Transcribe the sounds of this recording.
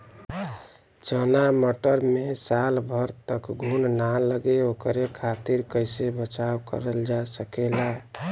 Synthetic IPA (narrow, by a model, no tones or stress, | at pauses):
t͡ʃənaməʈəɾmesalbʱəɾt̪əkɡʱunnaləɡeokɾekʰat̪iɾkəjsebət͡ʃawkə̰ɾəld͡ʒasəkela